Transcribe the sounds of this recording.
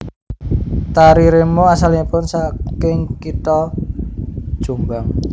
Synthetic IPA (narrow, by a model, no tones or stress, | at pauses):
t̪aɾiɾemoasalipʊnsakɪŋkit̪ɔ | d̥ʒ̥umbaŋ